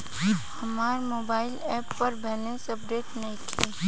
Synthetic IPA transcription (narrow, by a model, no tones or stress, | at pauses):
hɐmaːɾmoːbaːɪlɛːpːɐɾbɛːlẽnsɐpɖeːʈnɐɦĩt̪ʰiː